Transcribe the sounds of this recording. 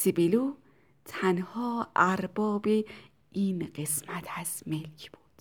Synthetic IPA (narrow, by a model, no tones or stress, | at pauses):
sibilu | t̪ʰænhɒːæɾbɒːbe | iːnɢesmæt̪ʰæsmelkʰb̥uːd̪̥